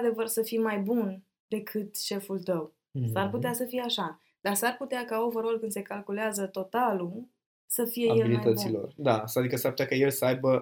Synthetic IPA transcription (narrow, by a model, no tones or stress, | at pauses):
ad̪e̞vərsəfimajbun | d̪̥e̞kʰɨt̪ʃe̞fult̪əw | sarput̪easəfijeaʃa | d̪̥arsarput̪eakaovəɾo̞lkɨnd̪se̞kalkuleazət̪o̞t̪alu | səfije̞jelbilit̪ət̪silo̞̰rd̪asad̪ikəsaɾput̪jakəjelsəajbə